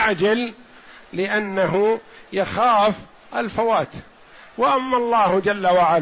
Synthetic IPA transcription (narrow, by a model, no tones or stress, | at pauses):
ʕd͡ʒalː | ɪʔanːaɦʊ | jaxaːf | ʔalfawaːt̪ | wɪʔamːalˤːɑːhd͡ʒalːawaʕal